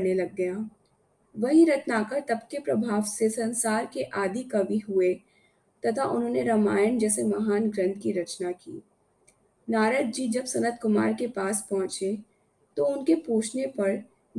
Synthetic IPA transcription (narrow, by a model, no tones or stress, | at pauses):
nelɐɡːɐjaː | ʋɐɦĩɾɐt̪naːkəɾt̪ɐbkepɾɐbʱaːʋsesɐ̃nsaːɾkeʔaːd̪ʱikɐʋiɦʊe | t̪ɐt̪ʰaʔʊnɦõːneɾɐmaːjənd͡ʒɛːsemɐɦaːnɡɾə̃nt̪̚ʰkiɾɐt͡ʃnakḭː | naːɾəd̪̚d͡ʒid͡ʒɐbsɐnət̪kʊma̰ːɾkepaːspɔɦʊ̃t͡ʃe | t̪oʊnkepuːt͡ʃʰnepɐɽ